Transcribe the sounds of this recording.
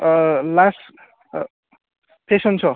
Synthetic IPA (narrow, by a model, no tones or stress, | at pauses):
las | pʰesʌnt͡sʰʌ